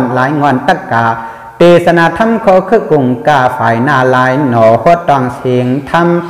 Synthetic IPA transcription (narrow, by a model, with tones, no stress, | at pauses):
nlaː˨˦jŋɔ˧˨nt̪a˧˩kːaː˨˧˩ | t̪eː˧˩sa˧na˧˨t̪ʰa˧˥˨mkʰɔː˧˦kʰɯ˧˨ku˧˩ŋkaː˧˩faː˨˦jnaː˧˩laː˨˦jnɔː˨˩˦ho˧˥t̪̚ːɔ˧˩˨ŋseː˨˦ŋt̪ʰa˧˥m